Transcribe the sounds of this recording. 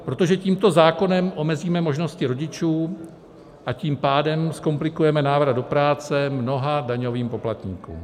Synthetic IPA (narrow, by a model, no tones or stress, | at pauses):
pɾo̞t̪o̞ʒɛciːmt̪o̞zaːko̞nɛmʔo̞mɛziːmɛmo̞ʒno̞scɪɾo̞ɟɪt͡ʃuː | ʔaciːmpaːdɛmsko̞mplɪkujɛmɛnaːvɾad̪do̞pɾaːt͡sɛmno̞ɦadaɲo̞viːmpo̞plat̪ɲḭːkṵːm